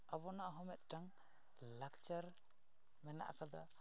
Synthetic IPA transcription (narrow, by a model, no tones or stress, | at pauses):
aβɔnaɦɔmɛt̪̚daŋ | lakt͡ʃaɾ | mɛna̰ʔkʰad̪a̰